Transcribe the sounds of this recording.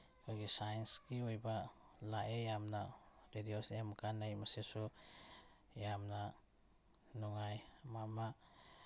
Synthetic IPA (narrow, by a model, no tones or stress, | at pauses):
kʰɔɡisajenskiojba | laʔejamnaɾediosemkanːajmasesu | jamna | nɔŋajmama